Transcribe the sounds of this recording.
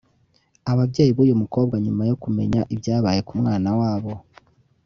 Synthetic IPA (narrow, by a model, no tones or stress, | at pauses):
aβabɟe̞ːjiβuːjumuko̞ːbɡaɲumajo̞kume̞̰ɲaʔibjaːβaje̞kumŋaːnawaːβo̞